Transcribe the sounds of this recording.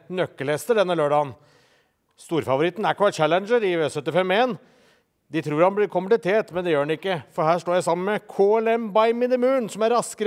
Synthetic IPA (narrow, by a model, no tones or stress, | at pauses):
nœkːəlɛst̪əɖɛnːəløːɖɑːən | st̪uːɾəfɑʋʊɾɪt̪ːn̩æɾkʰʋɑːt͡ʃælənd͡ʒəɾɪʋsœt̪ːɪfɛmeːn | d̪ɪt̪ʰɾuːɾhɑnblɪɾkʰʊmpəlɪt̪ʰeːʈ̪mɛnd̪ɛjøːɖɳnɪkːəfɔɾhæːʂʈ̪oːjæɪsɑmːənmɛkʰoːɛlɛmbɑɪmɪnɪmʉːnsɔmæɾːɑskəɾ